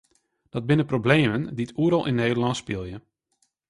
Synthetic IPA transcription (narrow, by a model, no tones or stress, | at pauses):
d̥ɔd̚bɪnəprobleːmənditʰuəɾɑlˠʔɪnːeːdəlɑntspɪlˠjə